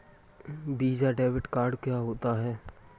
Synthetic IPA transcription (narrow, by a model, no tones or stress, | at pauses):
biːd͡ʒaɖɛːbɪʈkaːɾɖkjaːɦoːt̪aɦɛː